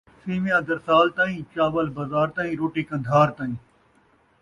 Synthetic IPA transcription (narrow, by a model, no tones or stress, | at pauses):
siːmɪjãːd̪əɾsaːlt̪ãːĩːt͡ʃaːʋəlbazaːɾt̪ãːĩːɾoːʈiːkɐ̃nd̪ʱaːɾt̪ãːĩː